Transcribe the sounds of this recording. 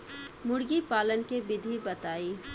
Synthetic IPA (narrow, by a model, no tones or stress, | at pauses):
mʊɽɡipaːlənkebɪd̪ʱibɐt̪aːiː